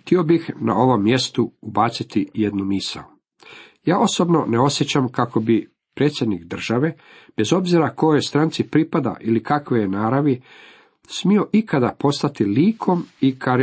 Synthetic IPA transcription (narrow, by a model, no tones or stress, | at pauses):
xt̪io̞bixna̰o̞ʋo̞mːje̞st̪uubat̪sit̪ijed̪numisa̰o | jaːʔo̞so̞bno̞neo̞sjet͡ɕamkako̞bi | pɾet̪sjed̪nikd̪r̩ʒ̥aʋe̞ | b̥e̞zo̞bziɾako̞jost̪ɾant̪sipɾipad̪a̰ʔilikakʋejenaːɾaʋi | smio̞ʔikad̪apo̞st̪at̪iliːkʰo̞mikʰaɾ